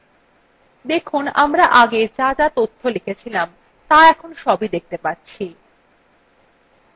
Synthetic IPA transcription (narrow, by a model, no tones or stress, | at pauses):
d̪ekʰunamɾaʔaɡet͡ɕad͡ʑat̪ot̪ʰːolikʰet͡ɕʰilam | t̪aɛkʰonʃɔbʱid̪ek̚t̪epatːɕʰi